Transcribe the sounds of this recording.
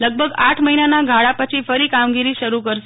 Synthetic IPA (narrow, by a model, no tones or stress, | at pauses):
ləɡ̚bʱəɡaʈʰməɦinanaɡʱaɭapət͡ʃʰifəɾikamɡiɾiʃəɾukəɾʃe